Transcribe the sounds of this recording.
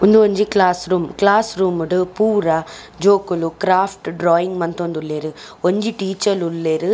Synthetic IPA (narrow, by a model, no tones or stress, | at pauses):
ond̪uoɲd͡ʒikɭaːsɾuːmklaːsɾuːmuɽupuːɾɐ | d͡ʒoːkulukɾaːfʰʈɖɾaːjiŋɡmɐnt̪ond̪ulːeːɾɯoɲd͡ʒiʈiːt͡ʃɐlulːeːɾɯ